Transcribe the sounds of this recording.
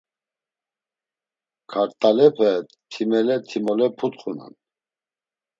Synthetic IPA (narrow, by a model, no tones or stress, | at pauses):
kʰaɾt̪ʼalɛpʰə | t̪ʰimɛlɛt̪ʰimɔlɛpʰut̪χuna̰n